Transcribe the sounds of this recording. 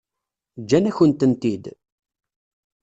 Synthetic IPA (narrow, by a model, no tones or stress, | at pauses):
d͡ʒːænæçənt̪ənt̪id̪